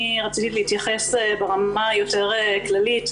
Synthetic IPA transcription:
iʁat͡sitileitjaχe̞sebeʁamajo̞te̞ʁeklalit

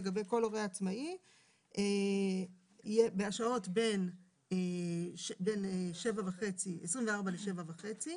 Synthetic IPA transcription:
eɡabe̞jko̞loʁejaat͡smai | ʔe | jebe̞aʃao̞tbe̞n | eʃbe̞neʃevavaχe̞t͡siesʁimveaʁbaleʃe̞vavaχe̞t͡si

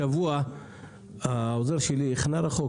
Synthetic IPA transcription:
avua | aozeɾʃelieχnaɾaχo

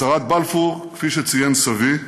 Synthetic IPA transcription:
aʁat̪̚balfuʁkfiʃet͡sijemsavi

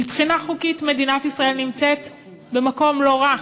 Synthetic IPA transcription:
mipχinaχukitme̞dinatisʁae̞lnimt͡set | bemako̞mlo̞ʁa

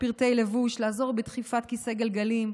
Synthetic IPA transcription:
piʁt̪e̞jle̞vuʃlaːzo̞ʁbet̪χifat̪kiseɡelɡalim

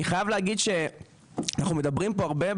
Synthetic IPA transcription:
iχajavleaɡid̪ʃe̞ | anaχnume̞d̪abʁimpo̞aʁbe̞b

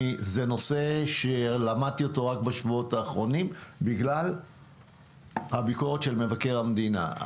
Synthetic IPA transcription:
zeno̞se̞ʃelamad̪̚t̪io̞to̞ʁak̚baʃvuo̞taːχʁo̞nimbiɡlal | habikoʁet̪ʃe̞lme̞vake̞ʁhamd̪ina̰

